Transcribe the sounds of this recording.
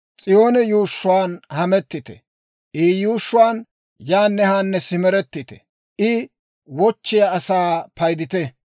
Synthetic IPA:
t͡sʼɪjoːnɛjuːʃːʊwaːnhɐmɛt̪ːɪt̪ɛ̰ | ʔiːjuːʃːʊwaːn | jaːnːɛhaːnːɛsɪmɛɾɛt̪ːɪt̪ɛ̥̰ | ʔɪ | wɔt͡ʃːɪjaːsaːpɐjd̪ɪt̪ɛ

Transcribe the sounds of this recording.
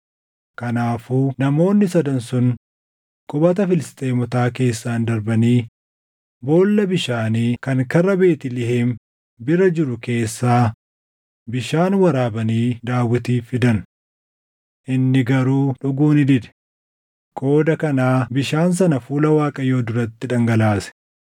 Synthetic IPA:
kɐnaːfuːnɐmo̞ːnːɪsɐd̪ɐnsʊn | kʼʊbɐt̪ɐfɪlɪst̪ʼe̞ːmʊt̪aːke̞ːsːaːnd̪ɐɾbɐniː | bo̞ːlːɐbɪʃaːniːkɐŋkɐrːɐbe̞ːt̪ɪlɪheːm | bɪɾɐd͡ʒɪɾʊke̞ːsːaː | bɪʃaːnwɐɾaːbɐniːd̪aːwɪt̪iːfɪd̪ɐn | ʔɪnːɪɡɐɾuːᶑʊɡuːnɪd̪ɪd̪ɛ̥ | kʼo̞ːd̪ɐkɐnaːbɪʃaːns̬ɐnɐfuːlɐwaːkʼɐjo̞ːd̪ʊɾɐt̪ːɪᶑɐŋɡɐlaːsɛ̥

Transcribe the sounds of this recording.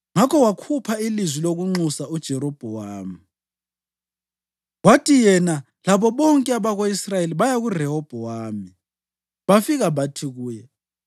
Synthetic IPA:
ŋakʰɔwakʰupʰailizwiloɣuŋ͡ǀusaud̥ʒ̥ʱɛɾɔb̥ʱɛwaːmi | ɣwatʰijɛna | laβɔβɔŋkʼɛaβaɣoisrajeliβajaɣurɛɦɔb̥ʱɔwaːmi | βafiɣaβatʰiɣuːjɛ

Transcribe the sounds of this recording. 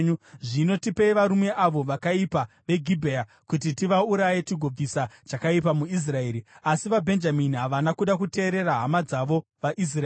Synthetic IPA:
ʐino̞tipeiʋaɾume̞ʔaʋo̞ʋakaipa | ʋe̞ɡʱibʱeja | kut̬itiʋauɾaje̞t͡ʃiɡʱo̞b͡visat͡ʃakaipamuis̬rae̞ːɾiasiʋabʱe̞nd͡ʒaminiɦaʋanakuɗakute̞ːɾe̞raɦamad͡zaʋo̞ʋaʔis̬ra

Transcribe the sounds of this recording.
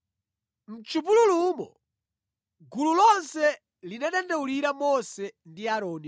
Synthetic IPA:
m̩t͡ʃupululumɔ | ɡululɔnsɛ | linaɗandɛuliɾamɔsɛndiaɾɔːni

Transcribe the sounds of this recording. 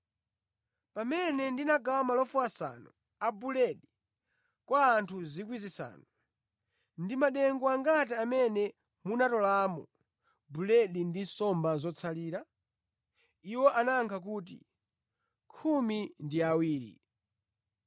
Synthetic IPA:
pamɛnɛndinaɡawamalɔfuasa̰nɔ | abulɛɗi | kwaːntʰuzik̬wizisa̰ːnɔ | ndimaɗɛŋɡɔaŋɡatɛamɛnɛ | munatɔlaːmɔ | bulɛɗindisɔmbazɔt͡sʰaliːɾa | iwɔʔanaːŋkʰak̬uːt̬ḭ | kʰumindiawiːɾḭ

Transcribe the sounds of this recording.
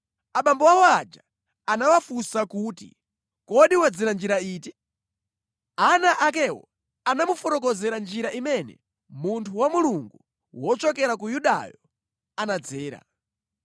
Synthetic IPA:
aɓambɔwawɔad͡ʒa | anawafusakuːtḭ | kɔɗiwad͡ziɾand͡ʒiɾaiːti | anaʔak̬ɛwɔ̰ | anamufɔɾɔk̬ɔzɛɾand͡ʒiɾaʔimɛnɛ̰ | muntʰuwamuluŋɡu | wɔt͡ʃɔkɛɾakujuɗa̰jɔ | anad͡zɛːɾa̰

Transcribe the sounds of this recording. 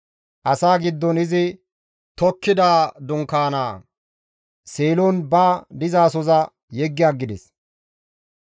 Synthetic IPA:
ʔɐsaːɡɪd̪ːɔnɪzɪ | t̪ɔkːɪd̪aːd̪ʊŋkaːna̰ː | seːlonbaːd̪ɪzaːsɔzɐ | jɛɡːɪjaːɡːɪd̪ɛs

